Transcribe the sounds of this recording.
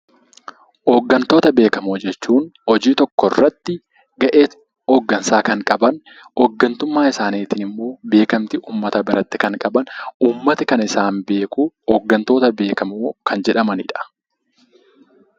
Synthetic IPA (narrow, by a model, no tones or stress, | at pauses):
ʔɔːɡːɐnt̪o̞ːt̪ɐbe̞ːkɐmoːd͡ʒɛt͡ʃːuːnɔd͡ʒiːt̪ɔkːɔrːɐt̪ːɪ | ɡɐʔeː | ɔɡːɐnsaːkɐŋkʼɐbɐn | ɔɡːɐnt̪ʊmːaːɪsaːniːt̪ɪnɪmːo̞ːbe̞ːkɐmt̪ɪʔuːmːɐt̪ɐbɪɾʔɐt̪ːɪ̥kɐŋkʼɐbɐnuːmːɐt̪ɐkɐnɪsaːmbe̞ːkuːɔːɡːɐnt̪o̞ːt̪ɐbe̞ːkɐmoːkʰɐnd͡ʒɛᶑɐmɐnɪ̰ᶑɐ̥